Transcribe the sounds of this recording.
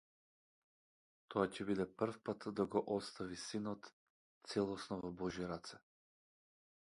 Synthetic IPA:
t̪ʰɔacɛbid̪ɛpr̩fpat̪d̪aɡɔʔɔst̪avisinɔt̪ | t̪sɛlˠɔsnɔvɔbɔʒiɾat̪sɛ

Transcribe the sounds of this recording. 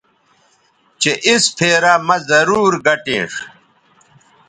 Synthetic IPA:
t͡ɕeʔispʰeːɾamɐzɐɾuːɾɡɐʈḛ̃ːʂ

